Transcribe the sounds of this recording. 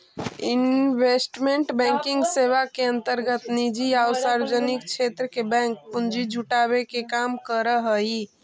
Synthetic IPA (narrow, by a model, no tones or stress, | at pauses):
inbesʈmeɳʈbɛ̃ŋkiŋɡseβakeə̃nt̪əɾɡət̪nid͡ʒiawsaɾed͡ʒənik̚t͡ʃʰet̪ɾəkebɛ̃ŋk̚pund͡ʒid͡ʒʱuʈaβekekamkəɾəɦəi